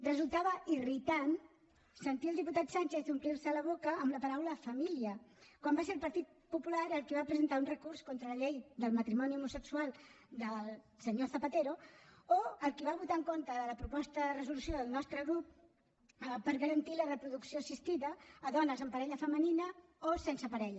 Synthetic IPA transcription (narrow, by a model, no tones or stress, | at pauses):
rəzulˠt̪aβəirit̪an | sənt̪iəlˠd̪iput̪at̪sanʲt͡ʃeθd̪umpliɾsələβokəːmləpəɾawləfəmiliəkwambaseɾlˠpəɾt̪it̪̚pupulaɾəlˠkiβapɾəzənt̪aunrəkurskont̪ɾələʎejd̪əlˠmət̪ɾimɔniumusəksualˠ | d̪əlˠ | səɲoθəpət̪eɾooəlˠkiβaβut̪aəŋkont̪əðələpɾupɔst̪əðərəzulusjoðəlˠnɔst̪ɾəɣɾup̚ | pəɾɣəɾənt̪ilərəpɾuðuksioəsist̪iðəːðɔnəzəmpəɾɛʎəfəməninə | osensəpəɾɛʎə